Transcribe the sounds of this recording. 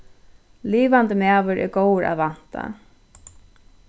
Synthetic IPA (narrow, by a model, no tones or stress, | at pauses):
liːʋant̪əmæːʋʏɾʔɛ̰ɾɡowɾa̰ðʋan̥t̪a̰